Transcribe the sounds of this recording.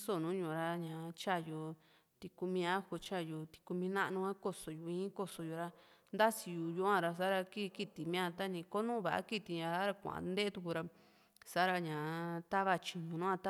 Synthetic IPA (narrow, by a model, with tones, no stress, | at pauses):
so˦˨nũ˨˦ɲũ˧˨ɾa˧ɲã˨˧t͡ʃa˦˨jo˧˨ | t̪i˧ku˧mĩ˧a˦ho˧t͡ʃa˦˨ju˧t̪i̥˧ku˧mĩ˧nã˦ʔnũ˧ã˦ko˧so˨ju˧˨ĩ˦ko˧so˧jo˧ɾa˧nd̪a˦si˧ju˨ju˧˦ã˧ɾa˧sa˦ɾa˧ki˦˧ki˧t̪i˨mĩ˦ã˧t̪a˦nĩ˧ko˦nũ˦βa˨ʔa̰˦ki˦t̪i˧ɲã˧a˦ɾa˧kʷã̰˨ʔã̰˧˨˧nd̪e˦t̪u˧ku˧ɾa˧ | sa˦ɾa˧ɲã˨t̪a˦βa˧t͡ʃi˨˧ɲũ˧nũ˦ã˧t̪a˦